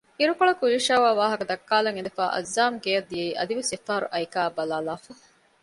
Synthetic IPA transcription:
iɾukoɭɐkuiːʃaːʋaːʋaːɦɐkɐd̪ɐkːaːlɐŋend̪ɐfa̰ːʔɐ̰zːaːmɡeːɐd̪ːijɐiʔɐd̪iʋesefaːɾṵʔɐikaːbɐlaːlaːfɐ

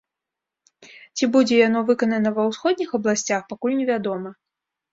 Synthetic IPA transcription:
t͡sʲibud͡zʲɛjanɔvɨkɐnɐnɐvɐwsxɔd̪ʲnʲixɐblˠasʲt͡sʲaxpakulʲnʲɛvʲad̪ɔmɐ

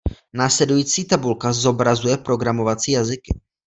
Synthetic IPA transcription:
naːslɛdujiːt͡siːt̪abulkazo̞bɾazujɛpɾo̞ɡɾamo̞vat͡siːjazɪkɪ

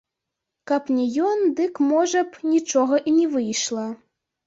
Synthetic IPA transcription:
kapnʲɛjɔnd̪ɨkmɔʐɐpnʲit͡ʂɔɣɐʔinʲɛvɨjʂlˠɐ

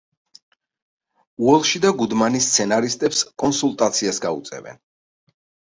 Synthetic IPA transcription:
uɛlˠʃid̪aɡud̪manist̪sʰɛnaɾist̪ʼɛpskʼɔnsulˠt̪ʼat̪sʰiasɡaṵt̪sʼɛ̰bɛ̰n

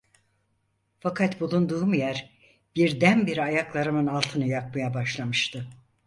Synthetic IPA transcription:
fakʰat̪bulˠund̪uːmujæɾ | b̥iɾd̪ænbiɾiajaklˠaɾɯmɯnalˠt̪ʰɯnɯjakmajabaʃlˠamɯʃt̪ʰɯ

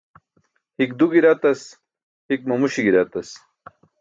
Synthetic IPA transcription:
hik̚d̪uɡiɾat̪ɐs | hik̚mɐmuɕiɡiɾat̪ɐs

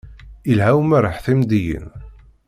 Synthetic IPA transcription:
ilɦæwmæɾəħθimd̪ijə̰n

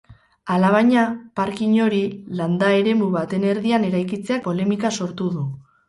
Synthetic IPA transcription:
alaβ̞aɲapaɾkiɲo̞ɾiland̪ae̞ɾe̞muβat̪e̞ne̞ɾðiane̞ɾajkit͡se̞ak̚po̞le̞mikaso̞ɾt̪uðu

